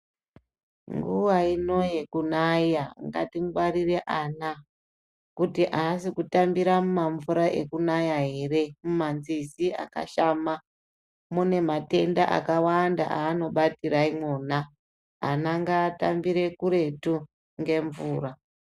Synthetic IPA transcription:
ŋɡuʋaino̞je̞kunajaŋɡa̰tiŋɡwaɾire̞ʔana | kutiʔaːsikutambiɾamumaɱvuɾaʔe̞̰kunajaɦe̞re̞mumanzisia̰ka̰ʃama | mune̞mate̞ndaʔa̰kawanda̰ʔaːno̞ɓatiɾaimona | anaŋɡaːta̰mbiɾe̞kuɾe̞tu | ŋɡe̞ɱvuːra

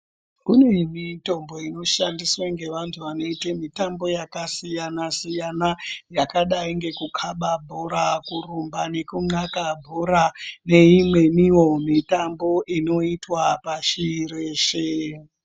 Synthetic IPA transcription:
kune̞mito̞mbo̞ino̞ʃandiswaŋɡe̞ʋantʰuʋano̞itemitambo̞jakasijanasijanajakaɗaiŋɡe̞kukʰaɓabʱoɾakurumbane̞kuŋ͡ǀakabʱoɾane̞imwe̞miwo̞mitambo̞ʔino̞itwapaʃiiɾeːʃe

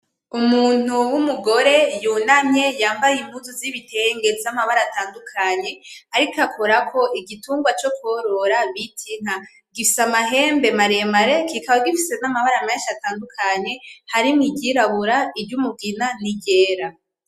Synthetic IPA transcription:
umuːn̥uwumuɡo̞ɾe̞juːnaɲɲe̞jaːmbajim̥huzuziβitʰeŋɡe̞zamaβaɾataːndukʰaɲe̞aɾikakʰoɾakʰo̞ʔiɡituːŋɡwat͡ʃo̞kwoɾo̞ɾaβitʰiŋ̥a | ɡifisamaɦe̞ːmbe̞maɾe̞maɾe̞kikaβaɡifise̞namaβaɾameːnʃataːndukʰaɲe̞haɾimiɟiɾaβuɾaibɟumuɡinaniɟe̞ːɾa

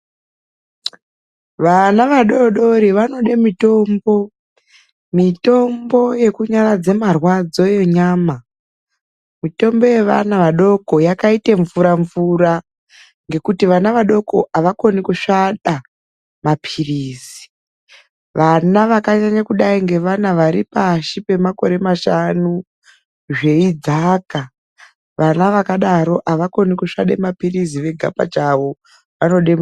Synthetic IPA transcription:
ʋanaʋaɗo̞ɗo̞ɾiʋano̞ɗemito̞ːmbo̞ | mito̞mbo̞je̞kuɲaɾad͡ze̞marwad͡zo̞jo̞ɲaːma | mito̞mbo̞je̞ʋa̰naʋaɗo̞ko̞jakaiteɱvuɾaɱvura | ŋɡe̞kutiʋanaʋaɗo̞ko̞ʔaʋako̞nikuʃaɗa | mapʰiriːzii̥ | ʋanaʋakaɲaɲakuɗaiŋɡe̞ʋanaʋaɾipaʃipe̞mako̞ɾe̞maʃanu | ʐe̞id͡zaka | ʋʔanaʋakaɗaɾo̞ʔaʋako̞nikuʂa̰ɗe̞̰mapiriziʋe̞ɡʱa̰pa̰t͡ʃaʋo̞ | ʋano̞ɗe

